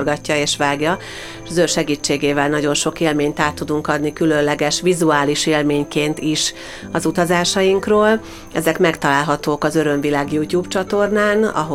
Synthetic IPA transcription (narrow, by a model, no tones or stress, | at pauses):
rɡɒcːɒeːʃʋaːɡjɒ | ʃzøːrʃɛɡiːt͡ʃːeːɡeːvɛlnɒɟo̞nʃo̞keːlmeːɲt̪aːt̪ːud̪uŋkɒd̪nikylø̞nlɛɡɛʃʋizuaːliʃeːlmeːɲkeːnt̪iʃ | ɒzut̪ɒzaːʃɒjiŋkroːl | ɛ̰zɛkmɛkt̪ɒlaːlɦɒt̪oːkɒzø̞ɾø̞ɱvilaːɡjuːcuːbt͡ʃɒt̪o̞rnaːnɒ̰ɦo